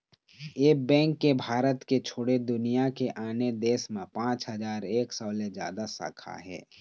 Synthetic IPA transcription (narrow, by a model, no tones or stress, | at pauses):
eːbɛ̃ːŋkːebʱaːɾət̪ket͡ʃʰoːɽed̪ʊnijakeʔaːned̪eːsmẽpãːt͡ʃɦəzaːɾeːksɔːled͡ʒja̰ːd̪asə̰ːkʰa̰ɦɛ̰ː